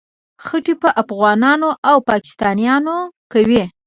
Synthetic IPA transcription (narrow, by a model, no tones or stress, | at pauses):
xəʈipəʔafɣɑnɑnoʔawpɑkɪ̥st̪ɑnijɑnokawi